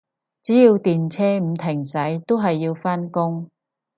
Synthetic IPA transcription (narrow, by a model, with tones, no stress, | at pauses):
t͡siː˨˥jiː˧wt̪iː˨nt͡sʰɛː˥m̩˧t̪ʰɪ˨˩ŋsɐ˨˥jt̪o˥wɦɐ˨jːiː˧wfaː˥nkʊ˥ŋ